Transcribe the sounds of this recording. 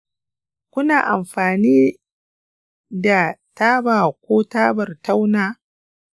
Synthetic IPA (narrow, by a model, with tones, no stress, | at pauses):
kʷʊ˦naː˨ʔa˨mɸaː˨niː˦ | da˨taː˦baː˨kʷoː˦taː˦bɐ˨rta˦wnaː˦